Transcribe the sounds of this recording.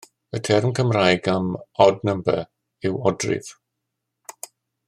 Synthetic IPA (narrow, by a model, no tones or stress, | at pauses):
ətʰɛrmkʰəmrajɡamɔdnəmbɛ | ɪwɔdrɪ̰v̥